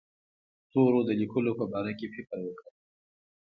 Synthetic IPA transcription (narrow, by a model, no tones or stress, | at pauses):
t̪oɾod̪əlikʰʊlopəbɑɾakefɪqɾwəkəɾ